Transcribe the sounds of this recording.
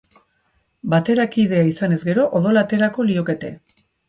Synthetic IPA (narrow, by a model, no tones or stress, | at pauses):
bat̪e̞ɾakið̞e̞aisane̞zɡe̞ɾo̞ʔoðo̞lat̪e̞ɾako̞lio̞ke̞t̪e̞̰